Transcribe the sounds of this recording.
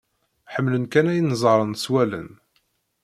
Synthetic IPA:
ħəmːlənkænæjənəzˤəɾˤənswælə̰n

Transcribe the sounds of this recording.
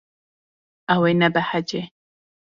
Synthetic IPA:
awenabaħad͡ʒe

